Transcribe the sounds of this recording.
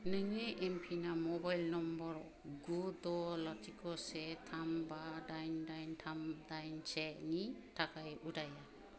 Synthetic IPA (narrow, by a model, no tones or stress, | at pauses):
nɯŋeʔempʰinamɔbajlnɔmbɔɾ | ɡud̪ɔlaɾtʰikɔsɛt̪ʰambadajndajntʰamdajnt͡ʃɛk̚nitʰakʰajudaja